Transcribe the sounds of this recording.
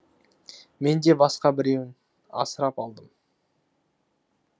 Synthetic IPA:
me̞nd̪e̞bɑsqɑbɪɾe̞wɪn | ɑ̰səɾɑpɑlˠd̪əm

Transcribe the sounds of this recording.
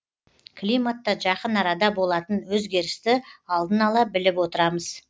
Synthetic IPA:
kʰlʲijmat̪ːɑʒɑqənɑɾɑd̪ɑbo̞lˠɑt̪ənwɵzɡʲe̞ɾɪst̪ɪɑlˠd̪ənɑlˠɑbɪlɪpwo̞t̪əɾɑməz̥

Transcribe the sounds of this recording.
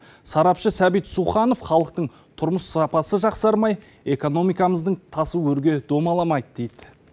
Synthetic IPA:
sɑɾɑpʃəsæbijt̪suχɑno̞fχɑlˠəq̚t̪əɴ | t̪ʰʊɾməsɑpɑsəʒɑqsɑɾmɑj | e̞ko̞no̞mijkɑməzd̪əɴt̪ʰɑsuɵɾɡʲe̞d̪̥o̞mɑlˠɑmɑjd̪əd̪ejd̪ɪ

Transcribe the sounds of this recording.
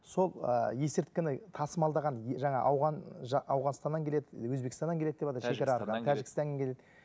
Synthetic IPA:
so̞lˠə̰je̞sɪɾt̪kʲːɪnɪt̪ʰɑsəmɑlˠd̪ɑʁɑnʒɑɴɑ̰ʔɑwʁɑnʒɑɑwʁɑnst̪ɑnɑŋkʲʰele̞d̪ɪwɵzbe̞kʲɪst̪ɑnɑŋkʰʲeed̪eɑt̪ɑʃe̞ɡʲeɾɑɾqɑnət̪ʰæʒɪɡʲɪst̪ɑnɡʲeŋkʰʲe̞led̪ɪ

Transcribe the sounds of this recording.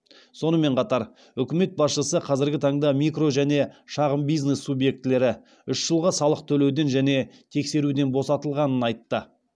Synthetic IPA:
so̞nəme̞ɴqʰɑt̪ɑɾ | ʏkʲɪme̞t̪̚bɑsʃəsəqʰɑzɪɾɡʲɪt̪ʰɑɴd̪ɑmikro̞ʒæne̞ʃɑʁəmbijznesːubje̞k̚t̪ɪle̞ɾɪ | ʏʃʒəlˠʁɑsɑlˠəq̚t̪ʰɵle̞wd̪e̞nʒæne̞t̪ʰe̞kse̞ɾud̪e̞nbo̞sɑt̪əlˠʁɑnənɑjt̪ːə

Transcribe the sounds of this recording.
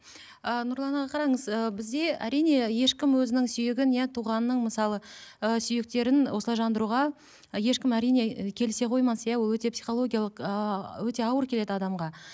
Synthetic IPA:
ənʊɾlˠɑnɑʁɑqʰɑɾɑɴəzəbɪzd̪e̞æ̰ɾijne̞je̞ʃkʲɪmwɵzɪnɪŋsʏjɪɡʲɪnjæt̪ʰuʁɑnːəɴməsɑlˠəəsʏjɪk̚t̪e̞ɾɪnwo̞səɑjʒɑnd̪əɾuʁɑ | je̞ʃkʲɪmæɾijne̞kʲʰe̞lɪse̞qʰo̞jmɑnsəjɑwowɵt̪e̞psiχo̞lˠo̞ɡʲijalˠəqəwɵt̪e̞ɑwəɾkʲʰe̞le̞d̪ɪɑd̪ɑmʁɑ

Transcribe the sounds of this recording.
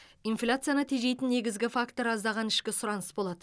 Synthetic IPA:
ijnflʲat̪sɨjanət̪ʰeʒe̞jt̪ɪnːe̞ɡʲɪzɡʲɪfakt̪oɾɑzd̪ɑʁɑnɪʃkʲɪsʊɾɑnəsbo̞lˠɑd̪ə

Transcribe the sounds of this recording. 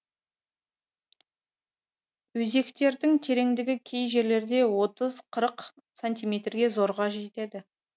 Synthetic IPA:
wɵze̞kt̪e̞ɾd̪ɪŋt̪ʰe̞ɾe̞ŋd̪ɪɡʲɪkʲʰe̞jʒe̞ɾle̞ɾd̪e̞wo̞t̪əzqʰəɾəq | sonʲt̪ijmʲet̪rɡʲe̞zo̞ɾʁɑʒe̞t̪e̞d̪ɪ

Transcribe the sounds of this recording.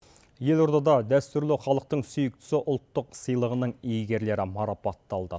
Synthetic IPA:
je̞lˠoɾd̪ɑd̪ɑd̪æst̪ʏɾlɪχɑlˠəq̚t̪əɴsʏjɪk̚t̪ʏ̥sɪʔʊlˠt̪ːəqsəjlˠəʁənəɴijɡʲe̞ɾle̞ɾɪmɑɾɑpɑt̪ːɑlˠd̪ə

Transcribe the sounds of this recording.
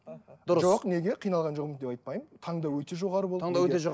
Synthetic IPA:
d̪ʊɾəʒoqne̞ɡʲe̞qʰijnɑlˠʁɑnʒoʁəmətd̪epɑjt̪̚pɑjmt̪ʰɑɴd̪ɑwɵt̪e̞ʒo̞ʁɑɾəbolˠŋd̪t̪eʒo

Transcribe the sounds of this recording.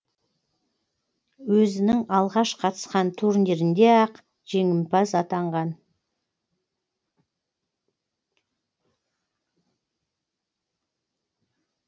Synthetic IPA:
wɵzɪnɪŋɑlˠʁɑʃqʰɑt̪ə̥sqɑnt̪ʰuɾnd̪e̞ɾɪnd̪e̞ɑq | ʒ̥e̞ŋɪmpɑsɑt̪ɑɴʁɑn

